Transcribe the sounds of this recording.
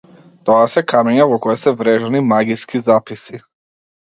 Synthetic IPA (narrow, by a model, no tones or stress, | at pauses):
t̪ɔasɛkamɛɲavɔkɔjɛsɛvɾɛʒɛnimaɡiskizapisi